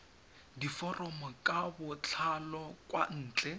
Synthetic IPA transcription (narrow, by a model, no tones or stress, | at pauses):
difɔrɔmɔkʼabʊt͡ɬʰalɔkʼwa̰n̩ːt͡ɬʼɛ